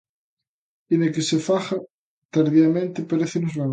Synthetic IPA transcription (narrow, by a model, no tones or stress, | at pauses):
inekesefaχa | t̪aɾðiamẽnt̪epeɾeθenozβa